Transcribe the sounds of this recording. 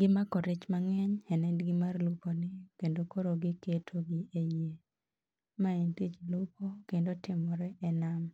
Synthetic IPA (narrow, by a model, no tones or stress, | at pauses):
ɡɪmakɔɾɪt͡ʃmaŋɛɲɛnɛdɡɪmarlukonɪkendokoɾoɡɪketʰoɡɪeje | maintit͡ʃlukokendotɪmɔɾɛʔɛnam